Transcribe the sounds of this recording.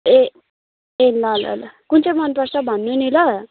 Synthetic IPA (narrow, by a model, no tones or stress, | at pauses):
e | elʌlʌ̰lkunt͡sʌjmʌnpʌsabʱʌnːenilʌ